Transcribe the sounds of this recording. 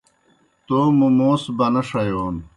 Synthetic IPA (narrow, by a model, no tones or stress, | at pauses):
t̪oːmumoːsbɐnɐʂɐjoːn